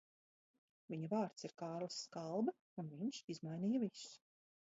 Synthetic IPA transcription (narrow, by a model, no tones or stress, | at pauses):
viɲuvaːɾt̪siɾkaːɾlˠasːkalˠbɐ | unviɲʃizmajniːjɐvisu̥